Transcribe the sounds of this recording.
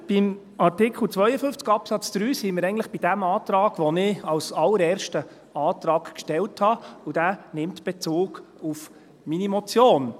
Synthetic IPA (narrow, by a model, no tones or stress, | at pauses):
b̥ɪm | ɑrtɪkχl̩ˠt͡sʋœjəfʏnft͡sɡ̥ɑpsɑt͡sd̪̥ɾyːsiməɾɛɪɡn̩tləχb̥id̥æmɑːtɾɑːɡ̥ʋɔnɪɑlsɑlːəɾɛːɾʃtə | ɑːtɾɑːkkʃtɛlthɑud̥æːnɪmtb̥et͡suːɡ̥uf | minimɔt͡sjoːn